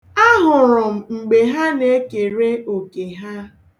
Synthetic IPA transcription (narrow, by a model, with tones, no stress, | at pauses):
a˦ɦʊ˨ɾʊ˨m̩˨ŋ͡m̩˨ɡ͡be˨ɦa˦ne˨e˦ke˨ɾe˦o˨ke˨ɦa˦